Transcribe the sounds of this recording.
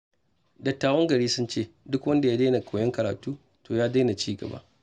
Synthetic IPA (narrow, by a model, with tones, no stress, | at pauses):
dɐ˨tːaː˨wɐ˦ŋɡɐ˨ɾiː˦sʊ˦nt͡ʃeː˦˨dʊ˦kwɐ˦nda˨jaː˦da˦jna˨kʷʰoː˨jɐ˦ŋkɐ˨ɾaː˨tuː˦ | toː˨jaː˦da˦jna˨t͡ʃiː˦ɡɐ̰˨ba̰ː˦ʔ